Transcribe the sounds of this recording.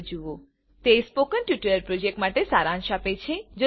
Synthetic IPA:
d͡ʒuʋo | t̪espokənʈjuʈəɾəɾpɾod͡ʒek̚ʈmaʈesaɾãŋʃapet͡ʃʰed͡ʒo

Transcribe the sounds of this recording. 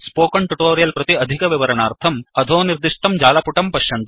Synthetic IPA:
spoːkɐɳʈuʈoːɾijɐlpɾɐt̪iɐd̪ʱikɐʋiʋɐɾɐnaːɾt̪ʰɐmɐd̪ʱoːniɾd̪iʂʈɐmd͡ʒaːlɐpuʈɐmpɐʃjɐnt̪

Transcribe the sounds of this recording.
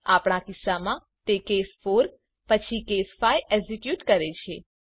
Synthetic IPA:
apɳ̃akisːamã | t̪ekesfoɾ | pət͡ʃʰikesfajʔɛzikjuʈkəɾet͡ʃʰe

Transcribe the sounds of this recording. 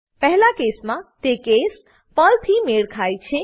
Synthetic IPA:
pɛɦlakesmãt̪ekes | pəlt̪ʰimeɽkʰajt͡ʃʰe

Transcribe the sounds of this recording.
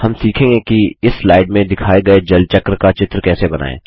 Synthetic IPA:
hɐmsiːkʰẽːŋɡekiɪsːlaːɪɖmẽd̪ɪkʰaːeɡɐed͡ʒɐlt͡ʃɐkɾkat͡ʃɪt̪ɾkɛːsebɐna̰ːḛː

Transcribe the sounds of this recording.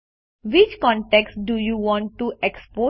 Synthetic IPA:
ʋɪt͡ʃkɔ̃ɳʈɛksɖujuʋɔ̃ːɳʈʈːuʔɛkspoː

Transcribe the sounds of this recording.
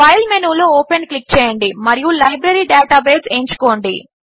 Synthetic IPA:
pɐjlmenuːloːoːpenklik̚ːt͡ʃɛːjɐɳɖimɐɾijulɐjbɾɐɾiɖaːʈaːbeːseːɲt͡ʃu̥ko̞ːɳɖḭ

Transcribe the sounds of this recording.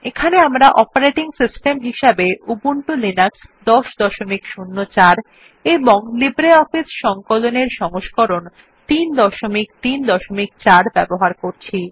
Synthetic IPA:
ekʰaneamɾaʔɔpaɾeʈiŋsisʈemɦiʃabeubuɳʈulinaksd̪ɔʃd̪ɔʃomikʃunːot͡ɕaɾ | eboŋlibɾeɔfisʃɔŋkoloneɾʃɔŋoʃkoɾon | t̪ind̪ɔʃomik̚t̪ind̪ɔʃomik̚t͡ɕaɾbɛboɦaɾkoɾt͡ɕʰi

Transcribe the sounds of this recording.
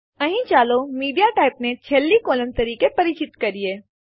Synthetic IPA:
ɐɦĩt͡ʃaːlomiːɖijaʈaːɪpnet͡ʃʰelːikoːlə̃nt̪ɐɾiːkepɐɾɪt͡ʃɪt̪kɐɾieː

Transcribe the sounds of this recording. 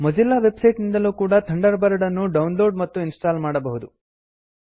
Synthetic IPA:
mɐd͡ʒilːaʋe̞bsɐjʈnind̪ɐluːkuːɽɐt̪ʰɐɳɖɐɾbɐɾɐɽɐnːuɖɐwnlo̞ːɾɖmɐt̪ːuinsʈaːlmaːɽɐbɐɦud̪u

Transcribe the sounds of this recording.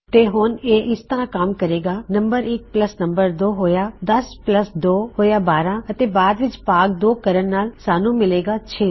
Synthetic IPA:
t̪eːɦoːneːʔɪst̪əɾãkaːmkɐɾeːɡanɐ̃mbəɾɪk̚pləsnɐ̃mbəɾd̪oːɦoːjad̪ɐspləsd̪oːhoːjabaːɾãɐt̪ebaːd̪ʋɪt͡ʃpaːk̚d̪oːkɐɾənnaːlsaːnũmɪleːɡat͡ʃʰeː

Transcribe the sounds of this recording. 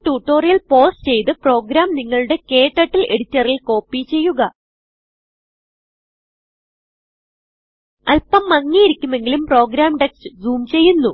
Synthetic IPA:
ʈuːʈːo̞ːrijɐlpo̞ːst͡ɕe̞jt̪ɨpro̞ːɡɾaːmniŋːɐɭuɽe̞ke̞ːʈːɐʈːilʔe̞ɽit͡ɕːɐrilko̞ːpːit͡ɕe̞jːuɣɐ | ɐlpɐmːɐŋːijiɾikʲːume̞ŋɡilumpro̞ːɡɾaːmɖeksɨd͡ʑuːmt͡ɕe̞jːunːu

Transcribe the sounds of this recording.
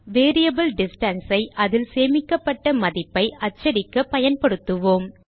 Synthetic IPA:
ʋeːɾɪjɐbɐlɖɪsʈɐnsɐɪʔɐðɪlseːmɪkːɐpːɐʈːɐmɐðɪpːɐɪʔɐt͡ʃːɐɾɪkːɐpɐjɐnpɐɽɯt̪ːɯʋoːm

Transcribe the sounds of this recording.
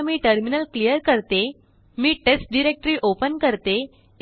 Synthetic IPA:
miːʈəɾminəlklijəɾkəɾt̪e | miːʈesʈ̚ɖiɾek̚ʈɾiːʔopənkəɾt̪e

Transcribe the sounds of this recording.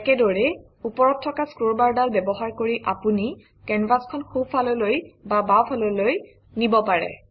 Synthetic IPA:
ɛkɛdɔɹɛ | upɔɹɔtʰːɔkaskoɹbaɹdalbɛbɔɦaɹkoɹiʔapuni | kɛnvaskʰɔnxopʰalɔlojbabawpʰalɔloj | nibɔpaɹɛ̰

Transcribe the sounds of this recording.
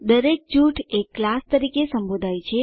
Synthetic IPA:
d̪əɾek̚d͡ʒuʈʰekːlast̪əɾikesəmbod̪ʱajt͡ʃʰe

